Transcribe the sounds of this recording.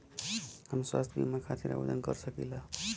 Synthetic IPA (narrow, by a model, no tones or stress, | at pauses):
ɦamiswa̰st̪ʰbḭmakʰat̪ʰiɾa̰bo̰d͡zʌnɡʌɾsʌkila